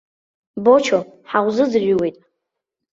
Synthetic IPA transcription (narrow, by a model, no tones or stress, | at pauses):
bot͡ʃʰo | ħaʁʷzɨd͡zrʲʷiwejtʼ